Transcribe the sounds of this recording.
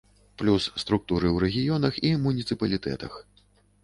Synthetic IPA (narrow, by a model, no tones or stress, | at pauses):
plʲusːt̪ɾuk̚t̪uɾɨwɾɛɣʲijɔnɐximunʲit̪sɨpɐlʲit̪ɛ̰t̪ɐ̰x